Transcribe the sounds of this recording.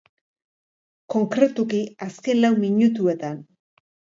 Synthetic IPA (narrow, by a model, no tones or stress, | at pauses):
ko̞ŋkɾe̞t̪ukiaske̞nlawmiɲut̪ue̞t̪an